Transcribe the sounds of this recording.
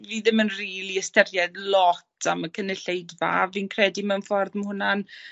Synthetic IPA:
viːðɪmənriːlˠiəstɛɾjɛdlˠɔtʰaməkʰənəɬejdva̰viːnkʰrɛdimanfɔrðməhʊnan

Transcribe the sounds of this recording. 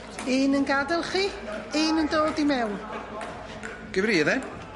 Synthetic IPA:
iːnənɡadɛlˠχiiːnəndoːdimɛwn | ɡ̥əvɾiðɛ

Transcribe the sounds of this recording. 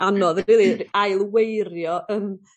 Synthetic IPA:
anɔðilˠiajlˠwejɾjɔʔəm

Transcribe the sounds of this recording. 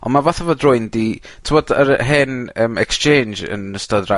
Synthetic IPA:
ɔ̰nmavaθavɔdrʊɨndi | tʰɪmɔdəɾɦɛnəːmɛkst͡ʃʰeːnd͡ʒə̰nəstadra

